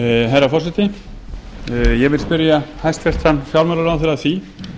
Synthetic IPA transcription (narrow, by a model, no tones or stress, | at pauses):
ɦajɾafɔr̥sɛt̪ɪ | jɛvɪlspɪɾjahajst̪fɛr̥t̪hanːfjawlmɛlʏɾawθɛɾaθi